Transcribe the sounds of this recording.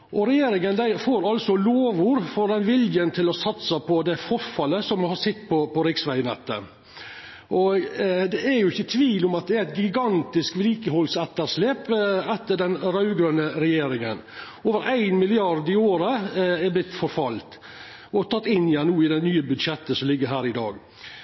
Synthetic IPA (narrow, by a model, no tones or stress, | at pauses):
ʔɔɾɛjeːɾɪŋənd̪æɪfoːɾɑlsɔloːʋʊɾfɔd̪ɛnʋɪljənt̪ʰɪlɔsɑt̪sɑpʰɔd̪ɛfɔɾfɑlːəsɔmhɑsɪt̪ːpʰɔpɔɾɪksʋæɪnɛ̰t̪ːə̰ | ʔɔd̪ɛæɾjʊɪçːət̪ʰʋiːlʊmɑt̪̚d̪ɛæɾæɪt̪̚ɡɪɡɑnt̪ɪskʋliːkəɦɔlsɛt̪ːəɾʂleːpɛt̪ːəɖɛnɾɑʉɡɾønəɾɛjeːɾɪŋən | oːʋəɾʔæɪnmɪlɪɑɾd̪ɪoːɾəɛɾblɪt̪ːfɔɾfɑlt̪ | ɔt̪ʰɑt̪ːɪnːɪjænnuːɪd̪ɛnyːəbʉd̪ʂɛt̪ːəsɔmlɪɡːəɾɦæːɾɪd̪ɑ̰ːɡ